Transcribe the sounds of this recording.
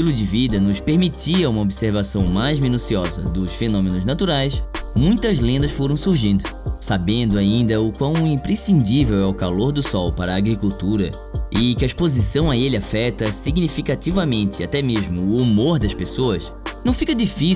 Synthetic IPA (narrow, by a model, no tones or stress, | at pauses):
ilʊd͡ʒɪvid̪ɐnʊspeɾmit͡ʃiɐũmɐobiseɾvasɐ̃w̃majzmĩnusiɔzɐ̰d̪ʊsfenõmẽnʊznat̪uɾajsmũj̃t̪ɐzlẽnd̪ɐsfoɾɐ̃w̃suɾʒĩnd̪ʊ | sabẽnd̪ʊaĩnd̪ɐʊkwɐ̃w̃ĩpɾesĩnd͡ʒivewɛʊkaloɾd̪ʊsɔwpaɾɐːɡɾikuwt̪uɾɐ̰ | ɪkɪɐiʃpozisɐ̃w̃aelɪafɛt̪ɐsiɡnifikat̪ivɐmẽnt̪ɪat̪ɛmeʒmʊːmoɾd̪ɐʃpesoɐs | nɐ̃w̃fikɐd͡ʒifi